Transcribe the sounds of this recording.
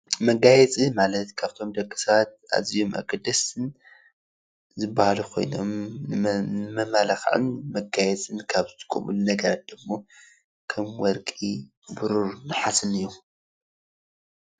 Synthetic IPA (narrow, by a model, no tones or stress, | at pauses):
mɐɡajɛt͡sʼimalɐt̪kʰaβt̪ʰo̞md̪ɐkʼːisɐβat̪̚ʔa̰zijo̞mʔɐ̰ɡʼɐd̪ɐsɨn | zɨbːahalukʰo̞̰jno̰mnɨnɨmɐmalaxʕɨ̰nmɐɡajɛt͡sʼɨnkʰaβzɨt̪ʰɨkʼṵmṵlnɐɡɐɾat̪̚d̪̥ɨmːo̞ | kʰɐmwɔɾkʼi | buɾuɾnɨħasɨnɨjːu